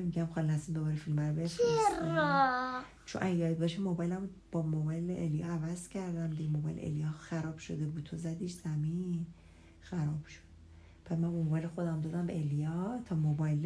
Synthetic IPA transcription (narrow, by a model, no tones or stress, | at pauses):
miɟæmxɒlinæsimbobɒɾifilmbæɾbefi | t͡ʃʰo̰nʔæɒːibɒʃemo̞bɒjlæm | b̥ɒmobɒjleʔelijɒævæz̥cʰæɾd̪æmd̪iɡemo̞bɒ̰jlḛḛlijɒxæɾɒːb̥ʃo̞d̪ebuːd̪̥̚t̪ʰozæd̪iːʃz̥æmin | xæɾɒːb̥ʃo̥d̪̥̚ | pʰæt̪mænbɒmobɒjlexo̞d̪æmd̪ɒːd̪æmbeelijɒt̪ʰɒːmobɒjl